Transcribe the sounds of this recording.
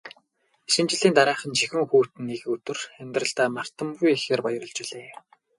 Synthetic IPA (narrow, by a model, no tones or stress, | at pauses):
ʃɪ̆nt͡ɕɪ̆ɮiːnt̪aɾæːχə̆nt͡ɕʰixɘ̆ŋxuːt̪ɘ̆nːeɣɵt̪ɘ̆rxæmʲt̪rə̆ɬt̪aːmar̥t̪ə̆mɡujexeːrpɔjrɞ̆ɮt͡ɕʊɮeː